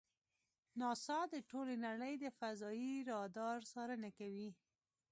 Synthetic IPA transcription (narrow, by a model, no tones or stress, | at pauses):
nɑsɑd̪əʈolenaɽəjd̪əfazɑjiɾɑd̪ɑɾsɑɾənakawi